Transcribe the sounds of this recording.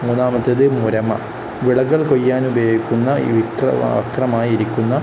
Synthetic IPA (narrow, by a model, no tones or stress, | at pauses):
muːnaːmɐt̪ːeðɨmuɾɐmɐ̰ | ʋiɭɐɣːɐɭkojːaːnubɐkʲːunːɐʋikrɐ̰ɐ̰krɐmaːjiɾikʲːunːɐ